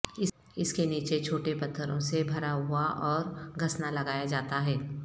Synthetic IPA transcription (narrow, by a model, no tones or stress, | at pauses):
ɪ | ɪskeniːt͡ʃet͡ʃʰoːʈepɐt̪ʰːəɾõsebʱɐɾaɦʊaʔɔːɾɡʱɐsnalɐɡaːjad͡ʒaːt̪aɦɛː